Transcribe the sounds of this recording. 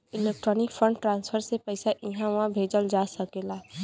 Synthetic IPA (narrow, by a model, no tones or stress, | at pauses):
ɪleːk̚ʈɾɔːnɪkfʰə̃ɳɖʈɾãːnspʰəɾsepəɪsaʔɪɦãʋaɦbʱeːd͡ʒəld͡ʒaːsəkeːlaː